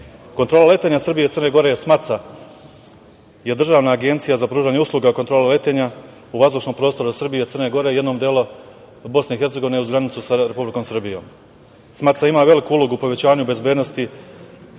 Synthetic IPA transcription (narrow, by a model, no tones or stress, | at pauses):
ko̞nt̪ɾo̞lˠale̞t̪e̞ɲasɨr̩bije̞t̪ɨrne̞ɡo̞ɾe̞jesmat̪sa | jed̪r̩ʒaːʋnaːɡe̞nt̪sijazapɾuːʒaɲeuslˠuɡakot̪ɾo̞ːlale̞t̪e̞ɲa | uʋazd̪ut͡ʃno̞mpɾo̞ːst̪o̞ɾusrbijet̪ərne̞ɡo̞ɾe̞jed̪no̞ːmd̪jeːlu | bo̞sne̞ixe̞ɾt̪se̞ɡo̞ʋineuzɡɾanit̪susaɾe̞publiko̞ːmsr̩bijo̞̰ːm | smat̪saimaʋe̞likuulo̞ɡuːpo̞ʋe̞t͡ɕaːɲube̞zbjed̪no̞st̪i